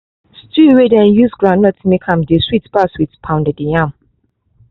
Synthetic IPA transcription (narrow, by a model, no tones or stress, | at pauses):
stuwedɛ̃njusɡɹãnɔtʰumekʰãmdeswitb̥aswitpʰãʊ̃ndɛdijãm